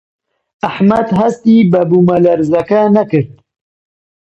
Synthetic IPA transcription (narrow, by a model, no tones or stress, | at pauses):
aħmɐd̪ɦɐst̪iːbɐbumɐlɐɾzɐkanɐkɨɾt̪